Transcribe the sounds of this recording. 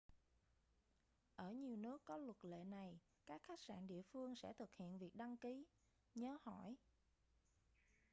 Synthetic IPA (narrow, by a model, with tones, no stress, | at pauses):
ʔəː˧˩ɲi˨˩əwnɨ˦˥əkːɔ˨˦lwə˨˩t̚lḛ˧˨na˨˩j | kaː˦˥k̚xa˦˥jk̚sa̰ː˧˨nɗḭ˧˨əfɨ˧əŋsɛ̰˧˥t̪ʰɨ˨˩k̚hḭ˧˨ənvi˨˩ək̚ɗa˧ŋki˨˦ | ɲəː˨˦hɔ˧˩˨j